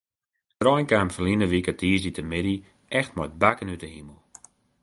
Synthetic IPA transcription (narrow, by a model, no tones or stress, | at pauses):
trɔjnkaːmfərlinəʋikətiəsditəmɪdi | ʔɛxtmɔjt̚bakənytəhiməlˠ